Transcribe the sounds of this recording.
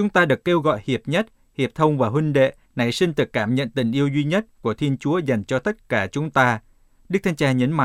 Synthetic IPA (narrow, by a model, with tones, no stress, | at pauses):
t͡ɕʊ˨˦ŋ͡mt̪aː˧ɗɨ˨˩əkːe˧wɣɔ̰˧˨jhi˨˩əp̚ɲə˦˥t̚ | hi˨˩əp̚t̪ʰə˧wŋ͡mvaː˨˩ɦwi˧ŋ̟ɗḛ˧˨ | na˨˧˩jsï˧ŋ̟t̪ɨ˨˩kːaː˧˩mɲə̰˧˨nt̪ï˨˩ŋ̟ʔi˧əwzwi˧ɲə˦˥t̚ku˧˩ət̪ʰi˧ənt͡ɕu˨˦əza˨˩jŋ̟t͡ɕɔ˧t̪ə˦˥t̚kaː˧˩t͡ɕʊ˨˦ŋ͡mt̪aː˧ | ɗɨ˦˥k̚t̪ʰŋt͡ɕaː˧ɲə˨˦nma̰˧˨